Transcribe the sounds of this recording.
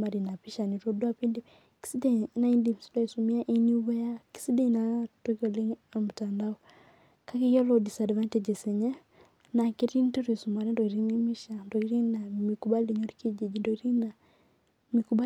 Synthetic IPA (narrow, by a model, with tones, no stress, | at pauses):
ma˨ɾi˨na˨pi˦ʃa˨ni˨ɾo˦dwa˦pi˦ndi˦m | ki̥si˦de˦na˦i˦ndi˨msi˦dwa˦i˨su˨mi˦a˦ʔe˦ni˦βɛ˦ja˦ki̥˨si˦de˦i˨na˨to˦ko˨le˦ŋamu˨ta˨nda˦ɔ | ka˦ke˦jɔ˦lɔ˨di˨sa˨dva˦ntɛ˨d͡ʒe˨se˨ɲɛ˦ | na˨ke˦ɾi˦nte˦ɾwe˨su˨ma˨ɾɛ˦ndɔ˨i˨ɾi˦ni˦mi˦ʃa˨ndɔ˨i˦ɾi˦na˨mi˨ku˦ba˦li˨ɲo˦ɾike˦d͡ʒe˨d͡ʒi˨ndɔ˨i˦ɾi˦na˨ | mikuba˦